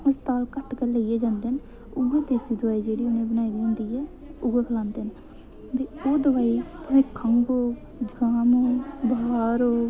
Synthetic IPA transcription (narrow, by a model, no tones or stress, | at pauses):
ɪst̪aːlkəʈkəɾleieːd͡ʒãːnd̪en | ʊɡeːd̪eːsiːd̪ʊʋaːiːd͡ʒeːɽiːʊnẽːbənaːibiʊ̃ːnd̪iːɛː | ʊɡeːkʰəlãːnd̪eːn | t̪eːoːd̪əʋaːit̪ʊmẽːkʰəŋɡoː | d͡ʒəɡaːmoːbɦaːɾoː